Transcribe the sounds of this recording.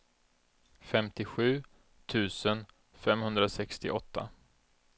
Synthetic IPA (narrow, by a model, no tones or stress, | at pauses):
fɛmt̪ɪɧʉ̟ː | t̪ʰʉ̟ːsən | fɛmhɵnd̪ɾasɛkst̪ɪ̰ʔɔt̪ʰːa̰